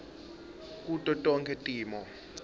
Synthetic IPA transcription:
k̬ʼutʼɔtʼɔŋkʰʼɛtʼiːmɔ

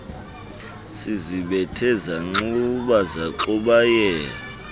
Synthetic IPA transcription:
siziɓɛtʰɛzaŋ͡ǀuɓazaǃuɓajɛ

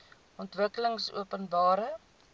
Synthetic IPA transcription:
ʔɔntvəkələŋsṵəpənbɑːɾə

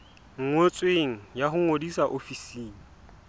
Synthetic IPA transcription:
ŋ̩ŋot͡sʼweŋ̩jaɦʊŋodisaʔofisiːŋ̩

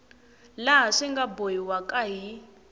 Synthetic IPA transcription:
laɦaʂiŋɡabojiwakʼaɦi

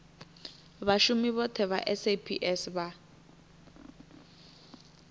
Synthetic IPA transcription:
βaʃumiβɔtʰɛβa̰ʔɛsepʰḭʔɛsβa

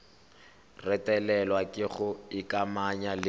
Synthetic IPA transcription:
rɛtʼɛlɛlwakʼɪɣʊɪkʼamaɲalɪ

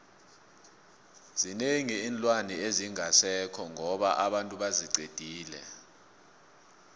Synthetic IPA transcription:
z̥ineŋiːnlʼwanieziŋʱasɛkʰɔŋɔɓaʔaɓantʼuɓaziǀed̥ʱiːlɛ̰

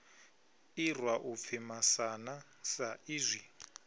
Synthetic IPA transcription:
irwaʔup̪fʰimasana | saiːzʷi

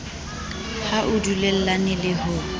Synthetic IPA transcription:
haʔʊdulɛl̩lanɪlɪhʊ

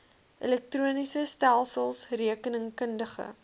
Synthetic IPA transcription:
ʔilɛk̚truənisəstælˠsəlˠsriəkənəŋkəndəχə̰

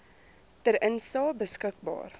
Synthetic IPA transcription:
təɾənsɑːbəskək̚bɑ̰ːr

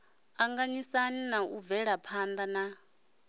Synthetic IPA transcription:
aŋɡaɲisaninauvɛɺapʰand̪ana

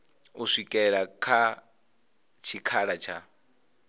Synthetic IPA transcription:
uʂikʼɛɺakʰa | t͡ʃʰikʰaɺat͡ʃʰa

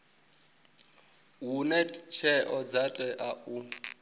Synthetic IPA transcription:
ɦunɛt͡ʃʰɛʔɔd͡zatʼɛʔaʔu

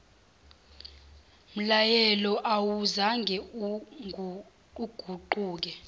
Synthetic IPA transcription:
m̩lajɛlɔʔawuzaŋɡʱɛ | uɡ̥ʱuǃuːk̬ɛ

